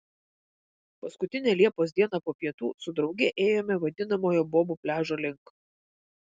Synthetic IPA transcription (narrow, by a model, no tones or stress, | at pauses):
pɐskʊt̪ʲɪnʲɛlʲiɛpoːsʲd̪ʲiɛnɑpoːpʲiɛt̪uːsʊd̪ɾɒʊɡʲɛʔeːjoːmʲɛʋɐd̪ʲɪn̪ɐmoːjoːboːbuːpʲlʲæːʒoːlʲɪŋk